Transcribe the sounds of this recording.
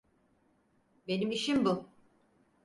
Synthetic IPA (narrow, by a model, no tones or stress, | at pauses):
be̞nimiʃimbu